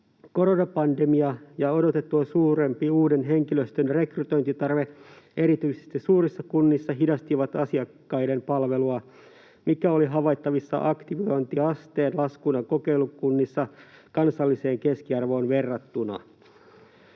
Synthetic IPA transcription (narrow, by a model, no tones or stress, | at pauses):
ko̞ɾonɑpɑndemiɑjɑo̞do̞t̪et̪ːuɑsuːɾe̞mpiuːdenɦe̞ŋkiløst̪ønre̞kryt̪o̞jnt̪it̪ɑrʋe | ʔe̞ɾit̪yisest̪isuːrisːɑkunːisːɑɦidɑst̪iʋɑt̪ɑsiɑkːɑjde̞mpɑlʋeluɑ | mikæo̞liɦɑʋɑjt̪ːɑʋisːɑ̰ʔɑkt̪iʋojnt̪iɑst̪eːnlɑskunɑkoke̞ilukunːisːɑkɑnsɑlːise̞ːŋke̞skiɑrʋo̞ːnʋe̞rːɑt̪ːunɑ̰